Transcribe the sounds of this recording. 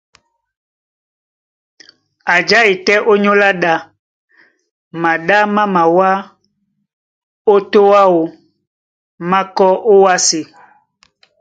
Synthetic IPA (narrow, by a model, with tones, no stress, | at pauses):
a˨d͡ʒa˦i˨tɛ˦ʔo˦ɲõ˦la˦ɗa˦ | mã˨ɖa˦mã˦mã˨wa˦ | o˦t̪o˦wa˦wo˨ | mã˦kɔ˦ʔo˦wa˦se˨